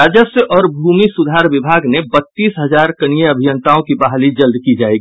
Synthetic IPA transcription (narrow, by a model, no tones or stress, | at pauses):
ad͡ʒəsjəʔɔːɾbʱuːmisʊd̪ʱaːɾʋɪbʱaːɡnebət̪ːiːsɦəd͡ʒaːɾkənijeəbʱijənt̪aõkibaɦlid͡ʒəld̪kid͡ʒaːeɡi